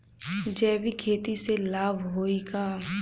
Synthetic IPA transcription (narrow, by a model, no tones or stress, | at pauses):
d͡ʒɛːbikʰeːt̪iselaːbʱɦoːikaː